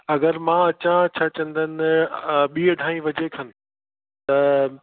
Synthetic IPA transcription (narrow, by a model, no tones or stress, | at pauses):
ɐɡəɾmãːɐt͡ɕãt͡ɕʰaːt͡ɕɐ̃nd̪ʱənɪɓiːəɖʱaːĩʋɐd͡ʑekʰɐnɪ̆ | t̪ɐ